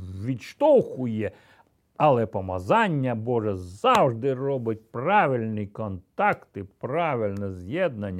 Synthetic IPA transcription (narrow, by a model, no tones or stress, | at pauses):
ʋʲiʃt̪ɔxʊjɛ | ɐlˠɛpɔmɐzanʲːɐbɔʐɛzzawʐd̪ɪrɔbɪt̚ʲpraʋʲilʲnikɔnt̪akt̪ɪpraʋʲilʲnɛzjɛd̪nɐnʲː